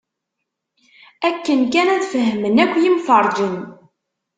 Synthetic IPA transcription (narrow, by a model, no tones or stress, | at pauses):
ækːənkænæðfəɦmənækʷːjimfəɾˤd͡ʒən